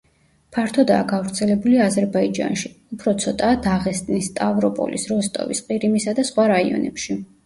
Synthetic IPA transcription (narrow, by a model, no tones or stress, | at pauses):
pʰaɾt̪ʰɔd̪aːɡavɾt̪sʰɛlɛbuliazɛɾbaid͡ʒa̰nʃiupʰɾɔt̪sʰɔt̪ʼaːd̪aʁɛst̪ʼnist̪ʼavɾɔpʼɔ̰lḭsɾɔst̪ʼɔ̰vḭsqʼiɾimisad̪asχwaɾaiɔ̰nɛ̰pʃi